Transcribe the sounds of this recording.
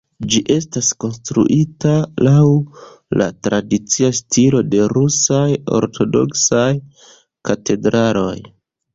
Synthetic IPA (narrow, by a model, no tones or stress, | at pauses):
d͡ʒiʔe̞stasko̞nstɾṵʔitalaw | la̰tɾadit͡siastilo̞de̞ɾusajo̞̰ɾtʰo̞do̞̰ksaj | kate̞dɾalo̞̰j